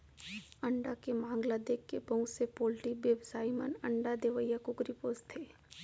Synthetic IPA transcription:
ɐɳɖakemãːŋɡlad̪eːkːebəɦũsepoːlʈibebsaːimənɐɳɖad̪eʋəjakukɾipoːst̪ʰeː

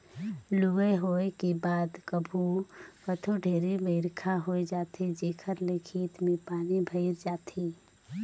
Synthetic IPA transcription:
lueɦoekebaːd̪kəbʱukət̪ʰoɖʱeːɾibeɪɾkʰaɦoed͡ʒaːt̪ʰid͡ʒeːkʰəɾlekʰiːt̪mepaːnibʱəɪɾd͡ʒaːt̪ʰi

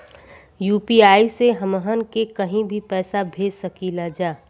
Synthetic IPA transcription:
juːpiaːiseɦəməɦənkekəɦĩbʱipɛːsabʱeːd͡ʒsəkilad͡ʒaː

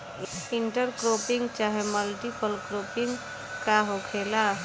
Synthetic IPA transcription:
iɳʈəɾkɾopiŋɡt͡ʃaɦeməlʈipəlkɾopiŋɡ | kaɦokʰela

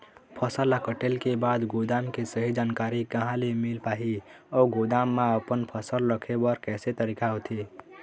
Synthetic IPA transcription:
pʰəsəlakəʈelkebaːd̪ɡod̪aːmkesəɦid͡ʒaːnkaɾikəɦãlemilpaːɦi | ɔːɡod̪aːmːaəpənpʰəsəlːəkʰebəɾkɛːset̪əɾikaɦot̪ʰe

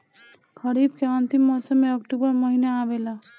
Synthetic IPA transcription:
kəɾibkeʌnt̪imːɔsəmːeəkʈubəɾməɦinaːʋela

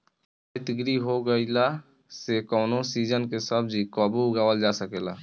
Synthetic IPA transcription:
ait̪ɪɡɾiɦoɡəila | sekɔːnosiːd͡ʒənkesəb̚ʱd͡ʒikɔːbuʊɡaːwəld͡ʒasəkeːla̰

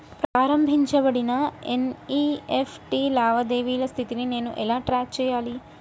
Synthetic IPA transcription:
pɾaːɾɐmbʱiɲt͡ʃɐbɐɽinɐeniefʰʈilaːʋɐd̪eːʋiːlɐst̪ʰit̪inineːnuʔɛlaːʈɾaːt͡ʃɛjaːli

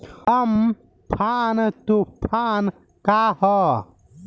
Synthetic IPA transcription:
hɐm | pʰaːnt̪upʰaːn | kaːhɔ

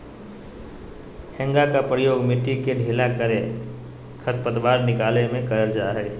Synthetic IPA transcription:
hɛ̃ŋɡakapɾəjoːɡmɪʈːikeɖʱeːlakəɾẽ | kʰət̪pət̪ʋaːɾnɪkaːlemẽkɐɾəɾd͡ʒaːɦɛː

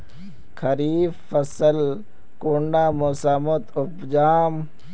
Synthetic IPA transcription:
kʰɐɾiːffɐsəl | kuɳɖaːmosamot̪ʊpd͡ʒaːm

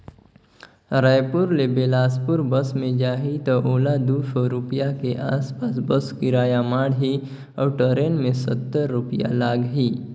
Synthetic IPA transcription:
ɾajpʊɾlebeːlaːspʊɾbəsmẽd͡ʒaːɦit̪oʔoːlad̪uːsoɾʊpijakeʔaːspaːsbəskiɾaːjamaːɽɦi | ɔːɾʈəɾeːnmẽsət̪ːəɾːʊpja̰laːɡɦiː

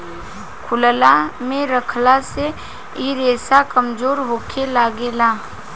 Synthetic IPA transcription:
kʰʊllamẽɾəkʰlase | iɾeːsakəmzoːɾɦoːkʰelaːɡelaː

